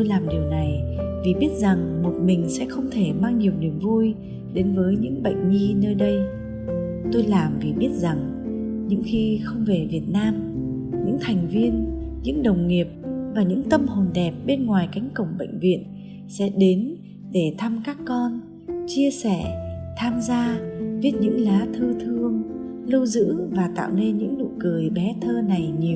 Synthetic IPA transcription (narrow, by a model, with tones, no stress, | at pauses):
t̪o˧jlaː˨˩mɗi˨˩əwna˨˩jvi˨˩ɓi˦˥ət̚za˨˩ŋmo˨˩t̚mï˨˩ŋ̟sɛ̰˧˥xə˧wŋ͡mt̪ʰe˧˩maː˧ŋɲi˨˩əwni˨˩əmvu˧j | ɗe˨˦nvəː˨˦jɲɨ̰˧˥ŋɓə̰˧˨jŋ̟ɲi˧nəː˧jɗə˧j | t̪o˧jlaː˨˩mvi˨˩ɓi˦˥ət̚za˨˩ŋ | ɲɨ̰˧˥ŋxi˧xə˧wŋ͡mve˨˩vi˨˩ət̚naː˧m | ɲɨ̰˧˥ŋt̪ʰa˨˩jŋ̟vi˧ənɲɨ̰˧˥ŋɗə˨˩wŋ͡mŋi˨˩əp̚vaː˨˩ɲɨ̰˧˥ŋt̪ə˧mho˨˩nɗɛ˨˩p̚ɓe˧nŋwaː˨˩jka˨˦jŋ̟kə̰˧˩wŋ͡mɓə̰˧˨jŋ̟vḭ˧˨ən | sɛ̰˧˥ɗe˨˦n | ɗe˧˩t̪ʰa˧mkaː˦˥kːɔ˧n | t͡ɕi˧əsɛ˧˩t̪ʰaː˧mzaː˧vi˦˥t̚ɲɨ̰˧˥ŋlaː˨˦t̪ʰɨ˧t̪ʰɨ˧əŋ | lə˧wzɨ̰˧˥əŋvaː˨˩t̪a̰ː˧˨wne˧nɲɨ̰˧˥ŋnṵ˧˨kɨ˨˩əjɓɛ˨˦t̪ʰəː˧na˨˩jɲi˨˩əw